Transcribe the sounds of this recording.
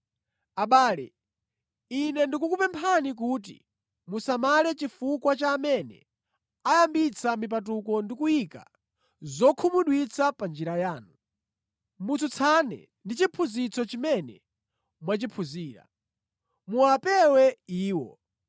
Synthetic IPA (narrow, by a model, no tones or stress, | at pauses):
aɓaːlɛ̰ | inɛndikuk̬upɛmpʰanik̬uːt̬ḭ | musamalɛt͡ʃifukwat͡ʃaːmɛnɛ̰ | ajambit͡sʰamip̬at̬ukɔndikujika̰ | zɔkʰumuɗwit͡sʰapand͡ʒiɾajaːnu | mut͡sʰut͡sʰanɛ̰ | ndit͡ʃipʰuzit͡sʰɔt͡ʃimɛnɛ̰ | mwat͡ʃipʰuziːɾa̰ | muapɛwɛiːwɔ̰